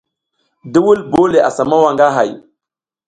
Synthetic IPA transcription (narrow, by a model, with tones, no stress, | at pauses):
di˦wu˦lbo˦le˨ʔa̰˨sa˨ma˦wa˨ŋɡa˦ɦa˨j